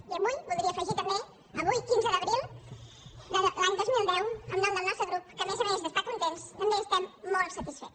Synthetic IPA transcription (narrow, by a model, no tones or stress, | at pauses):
əmuʎpuld̪ɾiəfəʒit̪əme | əβujkinzəðəβɾilˠ | d̪əlaɲd̪ozmilˠd̪ɛwəmnõmd̪əlnɔsəɣɾupkəmezezðəst̪akunt̪enst̪əmbeest̪amːɔlˠt̪sət̪isfet̪